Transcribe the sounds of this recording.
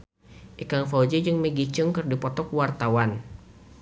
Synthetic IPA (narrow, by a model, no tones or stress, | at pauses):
ʔikaŋfad͡ʒed͡ʒɨŋməɡit͡ʃɨŋkɨrdipɔt̪ɔkwart̪awan